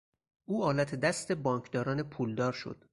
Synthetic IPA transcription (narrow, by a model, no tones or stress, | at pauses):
ʔuːɒːlæt̪ʰed̪æst̪e̞bɒːŋkʰd̪ɒːɾɒːne̞pʰuːld̪ɒːɾʃo̞̰d̪̥